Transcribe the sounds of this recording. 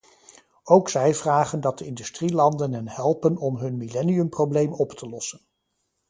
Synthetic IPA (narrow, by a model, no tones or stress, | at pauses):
owksɛjvraːχəndɑt̚dəɪndystrilɑndənɦənɦɛlˠpənɔmɦɵnmilɛniɵmprowblejmɔptʰəlɔsən